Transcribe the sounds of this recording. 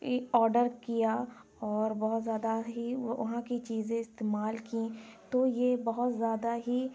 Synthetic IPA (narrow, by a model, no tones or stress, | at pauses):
ɔːɾɖəɾkija | ɔːɾbɔɦʊt̪zjaːd̪aɦiɐ̰ɦãkit͡ʃiːzẽɪst̪eːmaːlkĩt̪ojebɐɦʊt̪zjaːd̪aɦi